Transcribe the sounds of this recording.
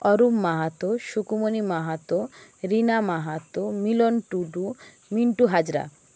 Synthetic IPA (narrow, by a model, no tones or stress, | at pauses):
ɔɾumːaɦat̪oʃukumonimaɦat̪oɾinamaɦat̪omilonʈuɖu | miɳʈuɦad͡ʑɾa̰